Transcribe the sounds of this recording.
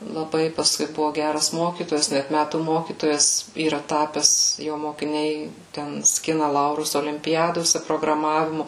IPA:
lˠɐˈbɐɪ pɐsˈkʊɪ ˈbʊʋoː ˈɡʲærɐs ˈmoːkʲiːtoːjɛs ˈnʲæt ˈmʲætuː ˈmoːkʲiːtoːjɛs iːˈrɐ ˈtɑːpʲɛs ˈjoː moːkʲɪˈnʲɛɪ ˈtʲɛn ˈsʲkʲɪnɐ ˈlˠɐʊrʊs oːlʲɪmʲpʲɪˈjæːdoːsʲɛ proːɡrɐˈmɑːʋʲɪmʊ

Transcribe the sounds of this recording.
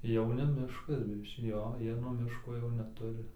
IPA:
ˈjɛʊ nʲɛ ˈmʲɪʃkɐs ˈjoː ˈjiɛ nuɔ ˈmʲɪʃkoː jɛʊ nʲɛˈtʊrʲɪ

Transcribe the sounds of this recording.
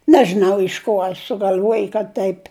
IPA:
ˈnʲæːʒʲɪnɐʊ ɪʃ ˈkuɔ ɐ sʊɡɐlʲˈʋuɔj kɐt tɐɪpʲ

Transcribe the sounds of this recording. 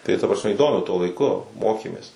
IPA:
tɐɪ tɐ prɐsʲˈmʲɛ iːˈdoːmʲʊ tuɔ lˠɐɪˈkʊ ˈmoːkʲeːmʲeːs

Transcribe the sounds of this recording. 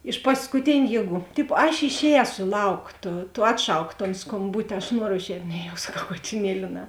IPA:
ɪʃ pɐskʊˈtʲeːnʲʊ ˈjiɛˌɡuː ˈtʲɪpoː ɐʃ ɪʃʲˈɛːsoː ɪ ˈlˠɐʊk ˈtoː toː ˈɑːtˌʃɐʊk toːn skoːmˈbʊtʲɪ ɐʃ ˈnuɔroː ɪʃʲˈɛːtʲ ˈnʲɛ jɛʊ sɐˈkɐʊ ˈkɑːtʲɪˌnʲiɛlʲɪ nʲɛ

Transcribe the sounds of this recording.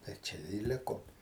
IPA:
tɐɪ ˈt͡ʃʲɛ ɪ ˈlʲɪkoːm

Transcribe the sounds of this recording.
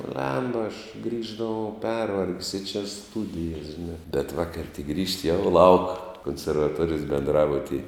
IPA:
ˈbʲlʲɛmbɐ ɐʃ ˈɡrʲiːʒdɐʋɐʊ ˈpʲɛrʋɐrʲkʲsʲ ɪ t͡ʃʲɛ ˈstʊdʲɪjɛs ʒʲɪˈnɑː bʲɛt ˈʋɑːkɐrʲ tʲɪk ˈɡrʲiːʃʲtʲɪ jɛʊ lˠɐʊk koːnʲsʲɛrʋɐˈtuɔrʲɪjoːs bʲɛnˈdrɑːbʊtʲiːj

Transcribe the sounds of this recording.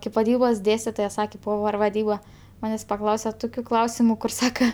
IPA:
kɐɪp ʋɐˈdʲiːboːs ˈdʲeːsʲtʲɪtoːjɛ ˈsɑːkʲeː ˈpoːʋʲɛr ʋɐˈdʲiːbɐ ˈmɑːnʲeːsʲ pɐˈklˠɐʊsʲɛ ˈtʊkʲʊ ˈklˠɐʊsʲɪmʊ kʊr ˈsɑːkɐ

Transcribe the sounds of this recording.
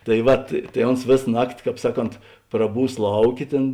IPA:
tɐɪ ˈʋɐt tɐɪ ˈoːns ˈʋʲeːs ˈnɑːktʲɪ ˈkɑːp ˈsɑːˌkoːnt prɐˈbuːs ˈlˠɐʊˌkʲeː ˈtʲeːn

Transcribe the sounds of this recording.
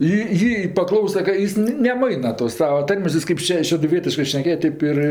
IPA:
ɪ ˈjiː pɐˈklˠɐʊsɐ kɐ ˈjɪs nʲɛˈmɐɪnɐ toːs ˈsɑːʋɐ ˈtɐrʲmʲeːs ˈjɪs kɐɪp ˈʃʲɛ ʃʲɛdʊˈʋʲiɛtʲɪʃkɜ ʃʲnʲɛˈkʲeːjɛ ˈtɐɪp ɪr ˈɪr

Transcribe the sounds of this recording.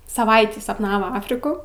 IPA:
sɐˈʋɐɪtʲiː sɐpˈnɑːʋoː ˈɑːfʲrʲɪkʊ

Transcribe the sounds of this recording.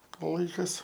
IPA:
ˈlˠɐɪkɐs

